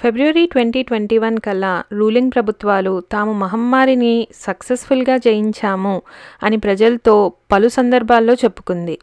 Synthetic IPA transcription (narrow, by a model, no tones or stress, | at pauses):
pʰe̞bɾuʋɐɾiːʈʋe̞ɳʈiːʈʋeɳʈiːʋɐnkɐlːaɾuːliŋɡ̚pɾɐbʱut̪ʋaːlut̪aːmumɐɦɐmːaːɾinisɐksespʰulɡaːt͡ʃeːjiɲt͡ʃaːmuɐnipɾɐd͡ʒɐlɐt̪o̞ːpɐlusɐnd̪ɐɾbʱaːlːo̞ːt͡ʃe̞pːu̥kund̪i